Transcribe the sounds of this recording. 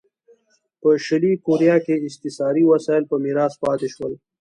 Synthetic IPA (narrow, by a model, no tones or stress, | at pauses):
pəʃɪlikoɾijɑkeɪst̪ɪsɑːɾiwɐsɑːjlpəmiɾɑːspɑːt̪eʃwəl